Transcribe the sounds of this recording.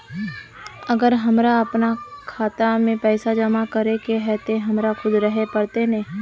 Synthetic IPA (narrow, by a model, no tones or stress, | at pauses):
ɐɡəɾɦɐmɾaɐpnakʰaːt̪amẽpɛːsad͡ʒəmakɐɾekeɦɛːt̪eɦɐmɾaxʊd̪ɾəɦepɐɾt̪enẽː